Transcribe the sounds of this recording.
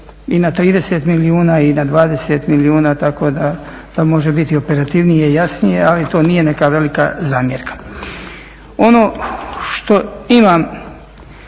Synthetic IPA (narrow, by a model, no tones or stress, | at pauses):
inat̪ɾiːd̪e̞set̪miliuːnaːinad̪ʋaːd̪e̞set̪miliuːnaːt̪ako̞ːd̪a | d̪̥amo̞ʒebit̪io̞pe̞ɾat̪iʋnijeijasnije̞alit̪o̞ːnije̞ne̞kaʋe̞lika̰zaːmjeɾkḁ | o̞no̞ːʃt̪o̞imam